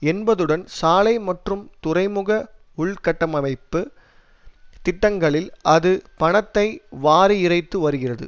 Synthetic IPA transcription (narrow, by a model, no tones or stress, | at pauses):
ɛnbɐðɯɽɐnsaːlɐɪmɐʈrɯmt̪ʊrɐɪmɯɣɐ | ʊɭkɐʈːɐmɐmɐɪpːɯ | t̪ɪʈːɐŋɡɐɭɪlɐðɯpɐɳɐt̪ːɐɪʋaːɾiɪrɐɪt̪ːɯʋɐɾɯɣɪrɐðɯ̰